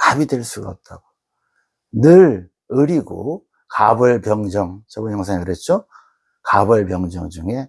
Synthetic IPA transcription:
kabidwe̞ɭs͈uɡa̰ːp̚t͈aɡo | nɯɾ | ɯɾiɡo̰ | kabɯɭpjʌŋd͡ʑʌŋt͡ɕʌbojʌŋsʰaŋkɯɾet̚t͡ɕ͈o | kabʌɭpjʌŋd͡ʑʌŋd͡ʑuŋe̞

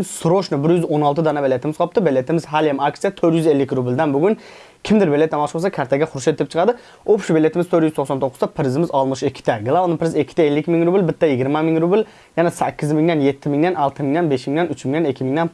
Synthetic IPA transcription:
nsɾoʃnɪbɪɾjyzonɑlˠt̪ɨd̪ɑnɑbelːet̪ɪmɪzqʰɑp̚t̪ɨbelːet̪ʰɪmɪzɦæljɛmɑksijat̪ʰøɾjyzelːɪkʲɾubɪld̪ɛnbʊɡʲʊn | kʲʰɪmd̪ɪɾbelːet̪̚ːæmɑlˠʃbosɑkʲʰæɾt̪ʰɛɡʲɛχʊɾʊʃet̪ɪp̚t͡ʃʰə̥qɑd̪ɨ | opʃubelːet̪ʰɪmɪzt̪ʰøɾjyz̥t̪oχsɑnt̪ʰoqːʊ̥zɑpʰɪɾɪzɪmɪzɑlˠmɨʃɪkʲʰːɪ̥t̪ʰɛɡlˠɑolnɪpʰɪɾɪzɪkʲʰːɪ̥t̪ɛelːɪkʲmɪŋɾubɪlbɪt̪ʰːɛjɪɡʲiɾmɛmɪŋɾubɪl | jɛnɛsækʲʰːɪzmɪiŋd̪ɛnjet̪ʰːɪmɪŋd̪ænɑlˠt̪ʰɨmɪŋd̪ɛnbeʃmɪŋd̪ɛnyt͡ʃmiŋd̪ɛnɪkʲʰːimɪŋd̪ɛn

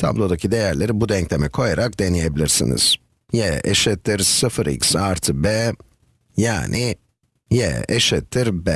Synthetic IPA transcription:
t̪ʰa̰blˠod̪acʰid̪ejæɾlʲeɾibud̪ɛɲclʲemɛkʰo̞jaɾak̚d̪enijebilʲiɾsḭnḭz̥ | jɛɛʃɛt̪ʰːiɾsɯfɯɾḭksaɾt̪ʰbɛ | jaːnʔɪ | jɛ̰ɛʃɛt̪ʰːiɾbɛ

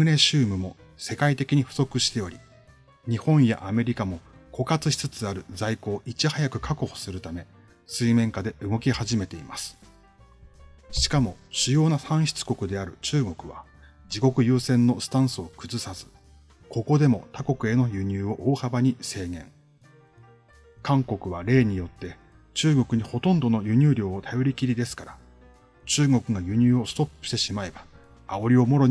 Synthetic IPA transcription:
ɯ̟ɾe̞ɕɨːmɯ̟mo̞ | se̞kait̪e̞kʲiɲ̟iɸɯ̟̥so̞kɯ̟ɕi̥t̪e̞o̞ɾʲi | ɲ̟ihõ̞ɰ̃ja̰ʔame̞ɾʲikamo̞ko̞kat͡sɨɕi̥t͡sɨt͡sɨaɾɯ̟d͡zaiko̞ːʔit͡ɕihajakɯ̟kako̞ho̥sɨɾɯ̟t̪ame̞ | sɨimẽ̞ŋkad̪e̞ʔɯ̟ɡo̞kʲihaʑime̞t̪e̞imasɨ̥ | ɕi̥kamo̞ɕɨjo̞ːnasãɰ̃ɕi̥t͡sɨ̥ko̞kɯ̟d̪e̞aɾɯ̟t͡ɕɨːɡo̞kɯ̟βa̰ | d͡ʑiko̞kɯ̟jɯːsẽ̞nːo̞sɨ̥t̪ãɰ̃sɨo̞kɯ̟zɨsazɨ̥ | ko̞ko̞d̪e̞mo̞t̪ako̞kɯ̟e̞no̞jɯ̟ɲ̟ɨːo̞ʔoːhabaɲ̟ise̞ːɡẽ̞̰ŋ | kãŋko̞kɯ̟β̞aɾe̞ːɲ̟ijo̞t̪ːe̞ | t͡ɕɨːɡo̞kɯ̟ɲ̟iho̞t̪õ̞nd̪o̞no̞jɯ̟ɲ̟ʲɨːɾʲo̞ːot̪ʰajo̞ɾʲikʲiɾʲid̪e̞sɨ̥kaɾa | t͡ɕɨːɡo̞kɯ̟ɡajɯ̟ɲ̟ɨːo̞sɨ̥t̪o̞pːɯ̥ɕt̪e̞ɕimaebaː | o̞ɾʲio̞mo̞ɾo̞

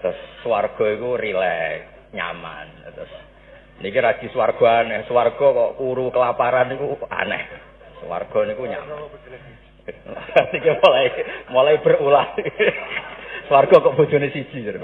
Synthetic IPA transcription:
t̪ʊsːwarɡ̥ɔ̤ikurilɛ | ɲa̰ma̰nt̪ʊs | nikiɾḁɡ̥i̤swarɡ̥ɔ̤anɛhsuwarɡ̥ɔ̤kɔʔkuɾukəlapaɾanikua̰nɛ̰h | swa̰rɡ̥ɔ̤nikuɲa̰man | nikimolaimolaib̥ərulahi | swarɡ̥ɔkɔʔb̥o̤̥d͡ʒ̥o̤nesid̥ʒ̥ir

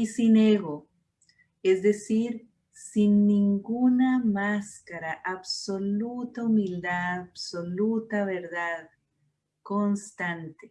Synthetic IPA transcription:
isineɣo | ezd̪esiɾ | sinːĩŋɡunamaskaɾaʔaβsolut̪aumild̪absolut̪aβeɾðað | konst̪ãnt̪e

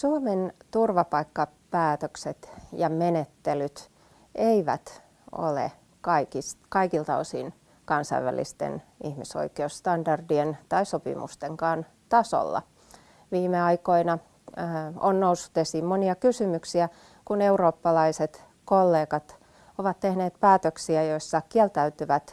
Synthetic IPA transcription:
suoment̪urʋɑpɑikːɑ | pæːt̪økset̪jɑmenet̪ːelyt̪ | eiʋæ̰t̪ | o̰lḛ | kɑikistkɑikilt̪ɑo̰sḭːn | kɑnsɑ̰ḭʋæ̰lḭst̪ḛnḭhmiso̰ikeusst̪ɑndɑrdient̪ɑisopḭmṵst̪eŋkɑːn | t̪ɑso̰lːɑ̰ | ʋiːmeɑikoinɑ | o̰nnousːu̥t̪esiːmmoniɑkysymyksiæ | kuneuroːpːɑlɑiset̪ | kolːeːkɑt̪ | oʋɑt̪t̪ehneːt̪pæːt̪øksiæjoisːɑkiælt̪æyt̪yʋæt̪

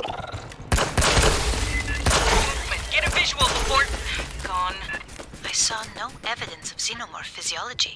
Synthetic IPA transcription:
b̥ʌtɡ̥ɛɾɨvɪʒəwəl̩ˠəpʰɔɹtɡ̥ʰɔ̃naɪsɔnoʔɛvɨdə̃nsʌv̥sinõmə̰˞fɪziɔlˠəd͡ʒi

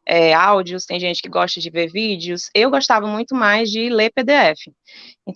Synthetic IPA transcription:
ɛawd͡ʒiʊst̪ẽj̃ʒẽt͡ʃɪ̥kɪɡɔʃt̪ɐd͡ʒɪveɾvid͡ʒjʊsewɡoʃt̪avɐmũj̃t̪ʊmajzd͡ʒɪleped̪eɛfɪ | ẽnt̪

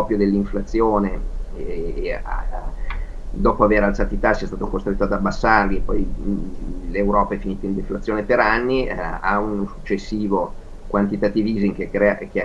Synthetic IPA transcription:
ɔpɾjod̪elːiɱflat̪sːjoːne | a̰ | d̪ɔːpoaveɾalt̪saːt̪it̪asiɛst̪aːt̪okost̪ɾet̪ːoad̪abːasːarliepːɔj | lewɾɔːpaɛfiniːt̪oind̪eflat̪sːjoːnepeɾanːia̰unosut͡ʃːesːiːvo | kwant̪it̪at̪ːiviːziŋkekɾɛak

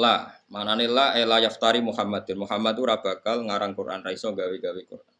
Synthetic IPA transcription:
lamananilaelajaft̪aɾimuhamad̪̚ɪnmuɦamat̪uɾab̥akalŋaɾaŋkurʔa̰nraisɔɡawiɡawikṵrʔan

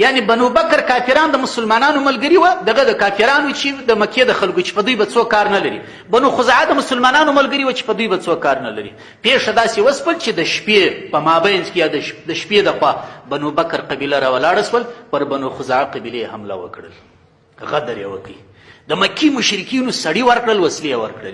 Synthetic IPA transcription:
janebanubakaɾkɑfiɾɑnd̪əmʊsʊlmɑnɑnomalɡəɾiwad̪aɣad̪əkɑfiɾɑnwut͡ʃed̪əmaked̪əxalɡot͡ʃe̥pad̪ujbat͡sokːɑɾnalaɾḭ | banuxʊzɑʕad̪əmʊsʊlmɑnɑnomalɡəɾiwat͡ʃe̥pəd̪ujbat͡sokːɑɾnala̰ɾḭ | peʂad̪ɑsewəspəlt͡ʃed̪əʃpepəmɑbajnzkejɑd̪əʃd̪əʃped̪əxwɑbanobakaɾqabilaɾɑwalɑɽaʃwəlpəɾbanoxʊzɑʕaqabilejehamla̰wə̰kɽə̰l | ɣad̪aɾjḛwə̰kəj | d̪əmakimʊʃɾɪkinosaɽiwəɾkɽəlwaslejewə̰ɾkɽə̰l

